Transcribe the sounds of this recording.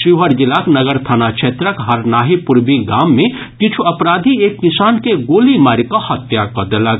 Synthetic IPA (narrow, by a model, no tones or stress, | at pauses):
siɦəɾd͡ʒilaknɐɡəɾt̪ʰaːnakt͡ʃʰeːt̪ɾəkɦɐɾnaːɦipuɾbiɡaːmːẽ | kit͡ʃʰuɐpɾaːd̪ʱieːkːisaːnkeɡoːlimaːɾikɔhɐt̪jakɐd̪elaɡ